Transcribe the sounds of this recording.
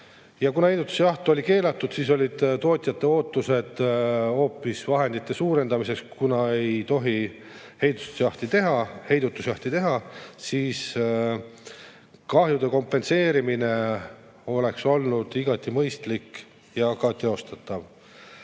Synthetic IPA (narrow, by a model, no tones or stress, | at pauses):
jɑkunɑhe̞jd̪ut̪ːu̥seɑht̪o̞lʲike̞ːlɑt̪ːˑud̪̥siːso̞lʲid̪̥t̪o̞ːt̪ʲˑijɑt̪ːˑe̞o̞ːt̪ˑːuse̞d̪̥o̞ːpːˑisvɑɦe̞nd̪it̪ːˑe̞suːɾe̞nd̪ɑmise̞kskunɑe̞jjt̪o̞ɦi | he̞jd̪̥u̥t̪u̥sejɑht̪it̪e̞ɦɑhe̞jd̪ut̪ːˑu̥sɑht̪it̪e̞ɦɑsiːs | kɑhjud̪̥e̞ko̞mpːˑe̞nse̞ːɾimine̞ | o̞le̞kso̞lnud̪̥iɡ̥ɑt̪ːˑimɤjst̪lik | jɑkɑt̪e̞o̞st̪ɑt̪ːˑɑv